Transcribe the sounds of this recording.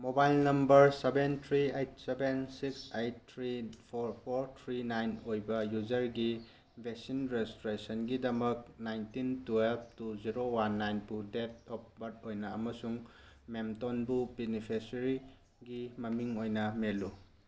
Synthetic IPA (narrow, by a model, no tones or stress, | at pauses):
mobajlnɐmbɐɾsebentʰɾiejt̚sebensiksejt̚ʰːɾipʰoɾpʰoɾt̪ʰɾinajnojbɐjud͡ʒɐɾɡi | bʱesinɾestɾesɐnɡidɐmɐk̚najntintuelp̚tuziɾowanːajnpudet̚ɔp̚bɐt̚ojnɐɐmɐsuŋmemtonbubenipʰesɾi | ɡimɐmiŋojnɐmelu